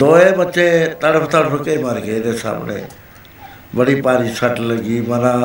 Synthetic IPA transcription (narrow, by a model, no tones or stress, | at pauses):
d̪oːebət͡ʃeːt̪əɽəpʰt̪əɽɾʊkemaɾɡed̪eːsa̰ːmɳḛ̃ː | bəɽiːpaːɾiːsəʈləɡiːməɾãː